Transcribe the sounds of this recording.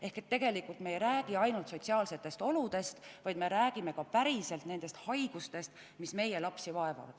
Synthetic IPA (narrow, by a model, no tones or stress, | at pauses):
e̞hke̞t̪ːe̞ɡ̥e̞likːˑult̪me̞ːjɾæːɡ̥iɑjnult̪so̞t̪ʲsiɑːlse̞t̪ːˑe̞st̪o̞lud̪̥e̞st̪vɑjd̪me̞ɾæːɡ̥ime̞kɑpæɾise̞lt̪ne̞nd̪̥e̞st̪hɑjɡ̥ust̪e̞st̪ | misme̞je̞lɑpsivɑe̞vɑ̰vɑ̰d̪̥